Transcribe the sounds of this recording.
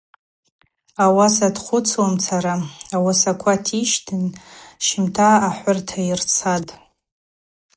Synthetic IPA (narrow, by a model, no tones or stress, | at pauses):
awasadχʷʊt͡sʰwomt͡sʰaɾaawasakʷʰatʰiʃtʰɨnʃɪmtʰaːħʷʊrtʰairt͡sʰatʼ